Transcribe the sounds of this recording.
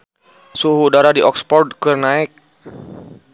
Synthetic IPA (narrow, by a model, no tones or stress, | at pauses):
suɦuːdaɾadiʔɔkspɔrd̚kɨrnaɛk̚